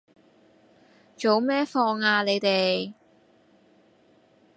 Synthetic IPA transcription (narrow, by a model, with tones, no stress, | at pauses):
t͡ʃo˨˧wmɛː˥fɔː˧ŋaː˧le˨˧jt̪e˨j